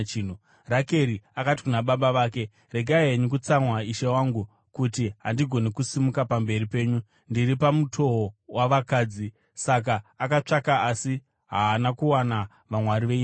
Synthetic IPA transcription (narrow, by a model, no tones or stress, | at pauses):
t͡ʃiːn̤u | rake̞ɾiakati̥kunaɓaɓaʋaːke̞ | re̞ɡʱaeɲukut͡samwaiʃe̞waŋɡu | kutiɦandiɡʱo̞nekusimukapambe̞ɾipe̞ːɲu | ndiɾipamutʰo̞waʋakaːd͡zi | sak̬aːkat͡ʂakaasi | ɦaːnakuwana | ʋamwaɾiʋei